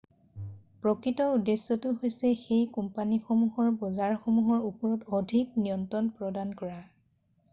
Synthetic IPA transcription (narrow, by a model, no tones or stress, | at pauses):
pɹɔkɹitɔudesːɔtʊɦojsɛxejkumpanixomuɦɔɹbɔzaɹxomuɦɔɹupɔɹɔtɔdʱiknijɔntɔnpɹɔdankɔɹa